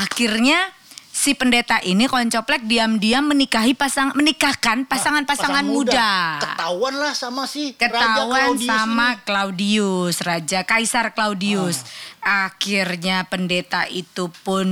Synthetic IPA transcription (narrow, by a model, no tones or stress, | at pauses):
akirɲa | sipəndet̪aʔinikɔɲt͡ʃɔplɛk̚diamdiamːənikaɦipasaŋmənikahkanpasaŋanpasaŋanmuddakəauanlahsamasɪhkət̪auansamaklaudiʊsrad͡ʒakaisarklaudiʊsaxirɲapəndet̪aʔit̪upʊn